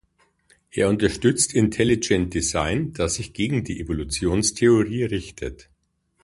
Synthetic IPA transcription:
ʔeːɐʊntɐʃtʏt͡stʰɪntʰɛlɪd͡ʒɛnt̚d̥izaɪnd̥asz̥ɪçɡ̥eːɡŋ̩diːʔevolut͡sjoːnstʰeoʁiːʁɪçtʰə̰t

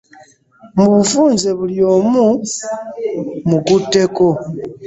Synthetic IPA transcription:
muβufuːnzeβuljo̞ːmu | mukutːe̞ko̞

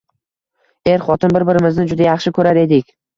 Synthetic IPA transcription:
e̞ɾχɒt̪ʰɪnbɪɾbɪɾɪmɪznɪd͡ʒʊd̪ajɑχʃɪkʰɵɾaɾe̞d̪ɪkʲ

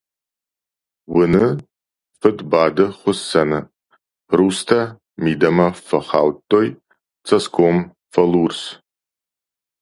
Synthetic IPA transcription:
wɨnɨ | fɨdbaːdɨχʷʊsːanɨ | rustʰa | midɐmɐfɐχa̰ːwtʼːoj | t͡sʰɐskʰʷom | fɐlurs

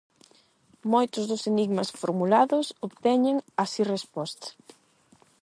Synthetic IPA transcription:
mojt̪ʊzðʊseniɣmɐsfoɾmulaðʊsoβt̪ɛɲeŋasirespɔst̪ḁ

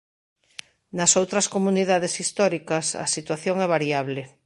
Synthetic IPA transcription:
nɐsowt̪ɾɐskomuniðaðesist̪ɔɾikɐsɐ̰sit̪waθjoŋɛβ̞aɾiaβle

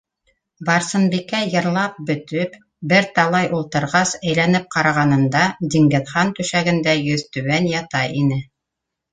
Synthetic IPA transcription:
bɑɾsɤ̆nbikæjɤ̆ɾlˠɑp̚bɵ̆t̪ɵp | bɘɾt̪ɑlˠɑjʔulˠt̪ɤ̆ɾʁɑsæjlænɘp̚qɑɾɑʁɑnɤ̆nd̪ɑd̪iŋɡɘ̆ðχɑnt̪ʉ̆ʃæɡɘ̆nd̪æjɵðt̪ʉwænjɑt̪ɑjinɘ

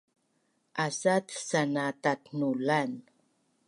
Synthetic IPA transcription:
ʔasat̪sanatatnulan

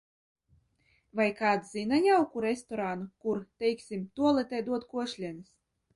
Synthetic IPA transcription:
vajkaːd̪zʲinanʲawkuɾest̪ɔɾanukuɾt̪ɛjksʲimt̪uɔlˠɛt̪ɛjd̪uɔt̪kuɔʃlʲiɛnɨs

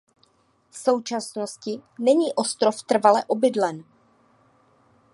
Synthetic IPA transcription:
fso̞wt͡ʃasno̞scɪnɛɲiːʔo̞st̪ɾo̞ft̪r̩valɛʔo̞bɪdlɛn

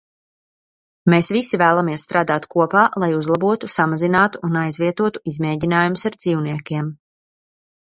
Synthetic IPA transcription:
meːsvisivæːlˠamiɛsst̪ɾaːd̪aːt̪kuɔpaːlˠajuzlˠabuɔt̪usamazinaːt̪uʔunajzviɛt̪uɔt̪u̥izmeːɟinaːjumusaɾd̪ziːwniɛkʲiɛm

